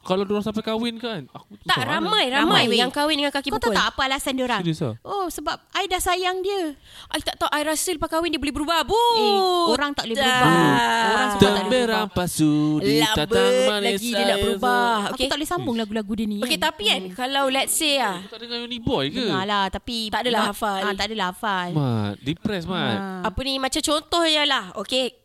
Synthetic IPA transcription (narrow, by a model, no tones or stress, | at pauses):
kaladuɾaŋsampajkawɪnkanakuaʔɾamãjɾamãjwejaŋkawɪndəŋankakipət̪aot̪aʔapaalasandioɾaŋdisa̰osəbap̚ajdahsajaŋdiə | ʔajt̪aʔt̪awʔajɾasəlupakawɪndiəbolɛhbəɾubahbuoɾaŋt̪aʔolɛhbəɾubaoɾaŋsat̪aabɛɾampasuliaabaalaɡidiənaʔbəɾubahoakeuk̪aʔlɛhsambʊŋlaɡulaɡudənĩoket̪apikankalawlɛt̚seaht̪adəŋaonibɔkəalaht̪apiaadalaafalat̪aʔadalahafalmadipɾɛsmaapənimãt͡ʃamt͡ʃont̪ɔhɲalahoke